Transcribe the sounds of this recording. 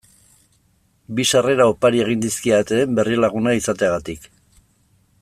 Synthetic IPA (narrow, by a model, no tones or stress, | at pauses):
biʃare̞ɾaopaɾie̞ɣ̞ind̪iskiat̪eːmbe̞riolaɣunaisat̪eaɣat̪ik